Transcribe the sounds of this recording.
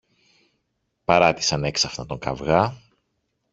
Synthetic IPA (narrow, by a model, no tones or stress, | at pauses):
pɐɾɐt̪i̥sɐne̞ksɐfnɐt̪o̞ŋkɐ̰vɣɐ